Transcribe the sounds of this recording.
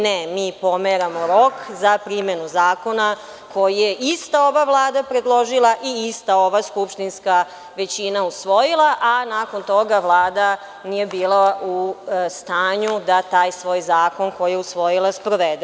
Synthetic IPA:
nemiːpo̞meɾamo̞ɾo̞kzapɾimenuzaːko̞na | ko̞jijeʔist̪ao̞ʋaʋlˠaːd̪apɾed̪lˠo̞ʒilˠaʔiist̪ao̞ʋaskupʃt̪inska | ʋe̞t͡ɕinausʋo̞jilˠaʔanaːko̞nt̪o̞ɡaʋlˠaːd̪a | nije̞biːlˠaust̪aːɲud̪at̪aːjsʋo̞ːjzaːko̞nkojijeusʋo̞jilˠaspɾoʋed̪e

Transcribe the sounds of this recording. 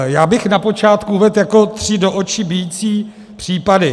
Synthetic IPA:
jaːbɪxnapo̞t͡ʃaːt̪kuvɛt̪jako̞t̪r̝̥ɪdoʔot͡ʃɪbɪjiːt͡siː | pr̥iːpadɪ

